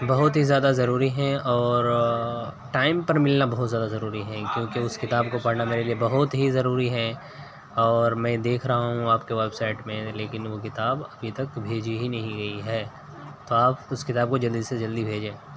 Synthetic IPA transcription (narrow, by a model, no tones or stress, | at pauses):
bɐɦʊt̪ɦizjaːd̪azɐɾuːɾiɦɛ̃ʔɔːɾ | ʈaːɪmpɐɾmɪlnabɐɦʊt̪zjaːd̪azɐɾuːɾiɦɛ̃kjõːkeʊskɪt̪aːbkopɐɽnameːɾeliebɐɦʊt̪ɦizɐɾuːɾiɦɛ̃ | ɔːɾmɛ̃ːd̪eːkʰɾɐɦaɦũaːpkeʋɛːbsaːɪʈmẽleːkɪnʋokɪt̪aːbɐbʱit̪ɐkbʱeːd͡ʒiɦinɐɦĩɡɐiɦɛː | t̪oaːpʊskɪt̪aːb̚kod͡ʒɐld̪ised͡ʒɐld̪ibʱeːd͡ʒẽː